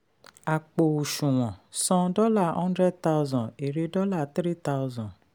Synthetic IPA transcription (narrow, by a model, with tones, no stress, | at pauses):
a˨k͡po˨u˨ʃũ˨w̃ɔ̃˨sɔ̃˧dɔ˦la˦˨hɔ̃˦ndɾɛ˦d̚ta˦wzɔ̃˨e˨ɾe˧dɔ˦la˦˨t̪ɾi˦ta˦zɔ̃˨